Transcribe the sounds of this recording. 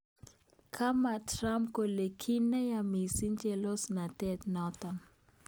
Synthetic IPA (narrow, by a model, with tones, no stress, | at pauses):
kʰa˦ma˨tɾa˦mko˨le˨kʰi˦nɛ˦ja˨mi˨si˦ɲd͡ʒɛ˦lo˦sna˨tɛ˦tnɔ˦tɔ˨n